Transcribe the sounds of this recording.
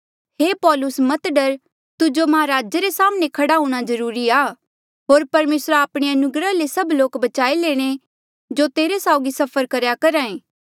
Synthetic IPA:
heːpɔːlʊsmɐt̪ɖəɾ | t̪ʊd͡ʒomɐɦaɾaːd͡ʒəɾesaːmnẽkʰɐɽaɦũːɽ̃azɐɾuːɾiaː | ɦoːɾpɐɾmeːsɾaaːpɽ̃eɐnʊɡɾalesɐbloːkbɐt͡ʃaːileːɽ̃e | d͡ʒot̪eːɾesaːoɡisɐpʰəɾkɐɾjakɐɾaːẽː

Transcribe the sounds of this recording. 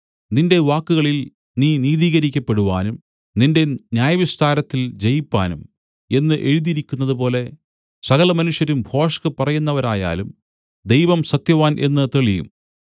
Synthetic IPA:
ninde̞ʋaːkːuɣɐɭil | niːniːðiːɣɐɾikʲːɐpːe̞ɽuʋaːnum | ninde̞njaːjɐʋist̪ʰaːɾɐt̪ːild͡ʑe̞jipːaːnum | e̞nːɨʔe̞ɻuðiɾikʲːunːɐðupo̞ːle̞ | sɐɣɐlɐmɐnuʂjɐɾumbʱo̞ːʂɐkɨpɐrɐjunːɐʋɐɾaːja̰ːlum | d̪ejʋɐmsɐt̪jɐʋaːnʔe̞nːɨt̪eɭijṵm

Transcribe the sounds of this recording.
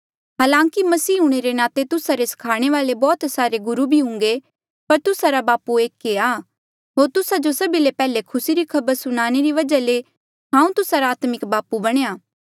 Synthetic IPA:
ɦaːlãːŋkimɐsiːɦũɽ̃eɾenaːt̪et̪ʊsaɾesɐ̥kʰaːɽ̃eʋaːlebɔːt̪saːɾeɡʊɾubʱiɦʊ̃ŋ̆ɡe | pɐɾt̪ʊsaɾabaːpueːkːeaː | ɦoːɾt̪ʊsad͡ʒosɐbilepɛːlekʰʊsiɾikʰɐbəɾsʊñaːñeɾiʋɐd͡ʒale | ɦãːũt̪ʊsaɾaaːt̪mɪkbaːpubɐɽ̃eːjaː

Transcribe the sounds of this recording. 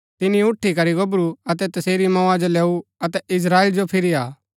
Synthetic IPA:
t̪ɪnĩʊʈʰːikɐɾiɡɐbɾuɐt̪ɛt̪ɐseːɾimɔ̃ːãd͡ʒolɛːuɐt̪ɛʔɪsɾaːeld͡ʒopʰɪɾiaː

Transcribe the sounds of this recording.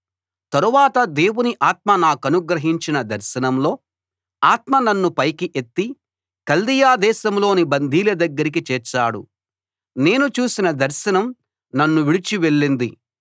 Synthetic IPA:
t̪ɐɾuʋaːt̪ɐd̪e̞ːwuniʔaːt̪̚mɐnaːkɐnuɡɾɐɦiɲt͡ʃinɐd̪ɐɾʃɐnɐmlo̞ː | aːt̪mɐnɐnːupɐjkiʔet̪ːi | kɐld̪ijaːd̪ɛːʃɐmlo̞ːnibɐnd̪ʱiːlɐd̪ɐɡːɐɾik̬it͡ʃɛːɾt͡ʃːaːɽṵ | ne̞ːnut͡ʃuːsinɐd̪ɐɾʃɐnɐm | nɐnːuʋiɽit͡ʃiʋe̞ɭːind̪i

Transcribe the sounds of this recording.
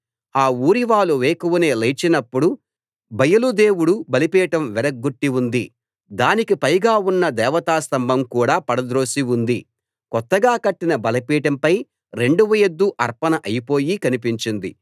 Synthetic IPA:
aːuːɾiʋaːluʋeːkuʋɐne̞ːlɐt͡ʃinɐpːuɽu | bʱɐjɐlud̪e̞ːwuɽubɐlipɛːʈɐmʋɛɾɐɡːuʈːiund̪i | d̪aːnikipɐjɡaːunːɐd̪ɛːʋɐt̪aːst̪ɐmbʱɐmkuːɽaːpɐɽɐd̪ɾo̞ːsiund̪i | kɔt̪ːɐɡaːkɐʈːinɐbɐlɐpiːʈɐmpɐj | ɾe̞ɳɖuʋɐjed̪ːuʔɐɾpɐnɐʔɐjipo̞ːjikɐnipiɲt͡ʃind̪ḭ

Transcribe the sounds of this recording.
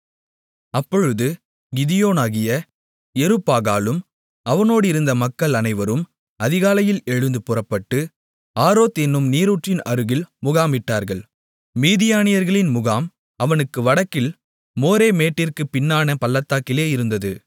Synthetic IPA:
ɐpːɔɻɯðɯ | ɡɪðɪjoːnaːɣɪjɐ | ɛɾɯpːaːɣaːlɯm | ɐʋɐnoːɽɪɾɯnd̪ɐmɐkːɐɭɐnɐɪʋɐɾɯm | ɐðɪɣaːlɐjɪlɛɻɯnd̪ɯpɯrɐpːɐʈːɯ | aːɾoːt̪ɛnːɯmniːɾuʈrɪnɐɾɯɣɪlmʊɣaːmɪʈːaːɾɣɐɭ | miːðɪjaːnɪjɐɾɣɐɭɪnmʊɣaːm | ɐʋɐnɯkːɯʋɐɽɐkːɪl | moːɾeːmeːʈːɪrkɯpɪnːaːnɐpɐlːɐt̪ːaːkːɪleːɪɾɯnd̪ɐðɯ

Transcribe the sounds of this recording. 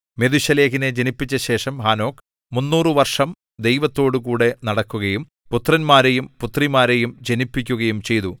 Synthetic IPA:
me̞ðuɕɐle̞ːɣine̞d͡ʑenipːit͡ɕːɐɕe̞ːʂɐmɦaːno̞ːk | munːuːrɨʋɐrʂɐm | d̪e̞jʋɐt̪ːo̞ːɽukuːɽe̞nɐɽɐkːuɣɐjum | put̪ːrɐnmaːɾejumput̪rimaːɾe̞jumd͡ʑenipːikʲːuɣɐjumt͡ɕe̞jt̪u

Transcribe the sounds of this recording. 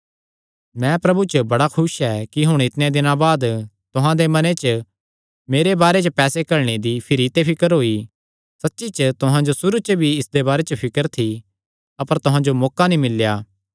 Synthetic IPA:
mɛ̃pɾɐbut͡ʃəbɐɽakʰʊsɛːkiɦʊɽ̃ɪt̪nẽd̪ɪnãbaːd̪t̪ʊɦãd̪emɐnẽt͡ʃə | meːɾebaːɾet͡ʃəpɛːsekɐɾɽ̃ed̪ipʰɪɾit̪epʰɪkəɾɦoːi | sɐtːʃit͡ʃət̪ʊɦãd͡ʒosʊɾut͡ʃəbʱiɪsd̪ebaːɾet͡ʃəpʰɪkəɾt̪ʰi | ɐpəɾt̪ʊɦãd͡ʒomɔːkanĩmɪljaː

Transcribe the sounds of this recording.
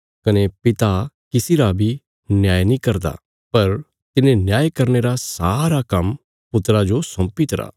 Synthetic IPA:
kɐnepɪt̪a | kɪsiɾabʱi | njaːjnĩkɐɾd̪a̰ | pɐɾ | t̪ɪnẽnjaːjkɐɾneɾasaːɾakɐm | pʊt̪ɾad͡ʒosɐ̃mpit̪ɐɾa̰ː

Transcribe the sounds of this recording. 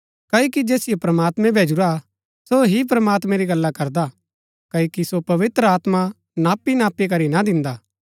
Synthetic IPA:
kaːokid͡ʒeːsɪijopɾɐmaːt̪mɛ̃bʱeːd͡ʒuɾa | soɦip̬ɾəmaːt̪mɛ̃ɾiɡɐlːakɐɾd̪a | kɐːokisopɐʋɪt̪ɾəaːt̪ma | naːpinaːpːik̬ɐɾinad̪ɪ̃nd̪aː

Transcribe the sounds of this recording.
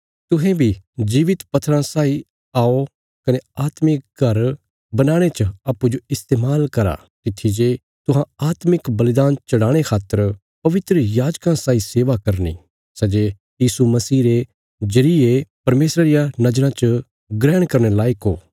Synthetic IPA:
t̪ʊɦẽbʱid͡ʒiːʋɪt̪pɐt̪ʰːɾãsaːi | aːo | kɐneaːt̪mɪk̚ɡʱɐɾ | bɐnaːɽ̃et͡ʃaːpːud͡ʒoɪst̪eːmaːlkɐɾa̰ | t̪ɪt̪ʰːid͡ʒe | t̪ʊɦãaːt̪mɪkbɐlɪd̪aːnt͡ʃɐɽãːɽ̃ekʰaːt̪ːəɾ | pɐʋɪt̪ɾəjaːd͡ʒkãsaːiseːʋakɐɾnḭ | sɛd͡ʒe | jiːsumɐsiːɾe | d͡ʒɐɾiepɐɾmeːsɾaɾɪjanɐd͡ʒɾãt͡ʃə | ɡɾɛːɽ̃kɐɾñelaːɪkɦoː

